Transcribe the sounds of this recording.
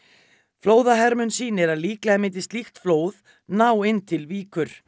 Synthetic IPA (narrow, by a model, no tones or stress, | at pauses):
floːwðaɦɛɾmʏnsiːnɪɾaðliːklaamɪnt̪ɪ̥st̪lixt̪floːwð | nawɪnt̪ʰɪlviːkʏɾ̥